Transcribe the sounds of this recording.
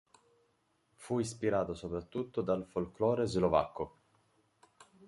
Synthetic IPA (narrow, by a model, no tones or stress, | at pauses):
fuispiɾaːt̪osopɾat̪ːut̪ːod̪alfolklɔːɾezlova̰kːo